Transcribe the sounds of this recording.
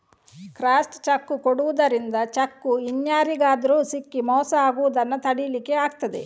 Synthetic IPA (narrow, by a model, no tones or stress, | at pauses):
kɾaːsʈt͡ʃɐkːukoɽuʋud̪ɐɾind̪ɐt͡ʃɐkːuiɲjaːɾiɡaːd̪ɐɾuːsikːimɔːsɐaːɡuʋud̪ɐnːɐt̪ɐɽijlikeaːɡt̪ɐd̪ḛ